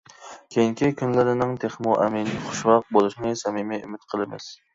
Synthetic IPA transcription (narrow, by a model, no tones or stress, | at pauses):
kʲʰejiŋkʲikʲʰynlɪɾɪnɪŋt̪ʰeχmuʔɛmɪnχʊ̥ʃwɑq̚bolˠɨʃnɪsɛmimɪymɪt̪qʰəlˠɨmɪ̰s